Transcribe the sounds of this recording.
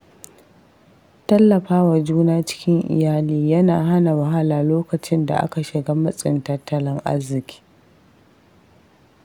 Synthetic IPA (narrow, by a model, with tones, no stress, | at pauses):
tɐ˦lːɐ˨ɸaː˦wa˨d͡ʒuː˦naː˦t͡ʃɪ̥˦kʲɪ˦ŋʔɪ̰˨jaː˦liː˦jɐ˦naː˨ɦa˦na˨wɐ˨ɦa˦laː˨loː˦kɐ˨t͡ʃɪ˦nda̰˨ʔa̰˦ka˨ʃɪ˨ɡaː˦mɐ˦sʼɪ˨ntɐ˦tːɐ˦lɪ˦ŋʔa̰˦zːɪ˨kʲʰi̥ː˦